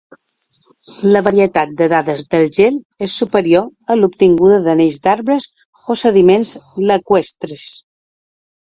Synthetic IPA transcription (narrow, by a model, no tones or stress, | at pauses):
ləβəɾiət̪at̪̚d̪əðaðəzd̪əlˠʒel | esːupəɾioəlupt̪iŋɡuðəðəneʎzd̪aɾβɾəz | osəðimenzləkwest̪ɾəs